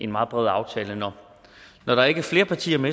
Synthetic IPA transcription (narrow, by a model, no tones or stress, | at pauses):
e̝nmɑ̈ːð̞̩ˠb̥ʁɛð̞̩̰ˠɑ̈ʊt͡sʰɛːlənɒ | nɒɾ̥ɑ̈æɐe̝ɡ̥əɐfle̝ːɐpʰɑ̈t͡sʰḭːɐme